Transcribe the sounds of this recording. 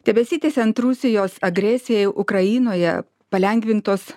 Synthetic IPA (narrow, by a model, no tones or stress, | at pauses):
d̪̥ʲɛbʲɛsʲiːt̪ʲeːsʲɛnt̪ɾusʲɪjoːsɐɡɾʲɛsʲɪjɛɪʔʊkɾɐjiːnoːjɛ̰ | pɐlʲɛŋʲɡʲʋʲɪnt̪oːs